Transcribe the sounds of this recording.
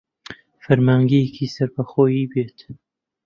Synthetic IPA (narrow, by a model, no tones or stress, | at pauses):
fɐɾmaːŋɡejekʰiːsɐɾbɐxoːjiːbeːt̪